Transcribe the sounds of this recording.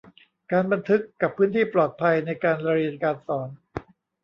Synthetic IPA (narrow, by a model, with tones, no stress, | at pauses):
kaː˧nba˧nt̪ʰɯ˦˥kːa˨˩pʰːɯː˦˥nt̪ʰiː˥˩plɔː˨˩t̪̚pʰa˧jna˧jkaː˧nɾa˧ɾi˧nkaː˧nsɔː˩˦n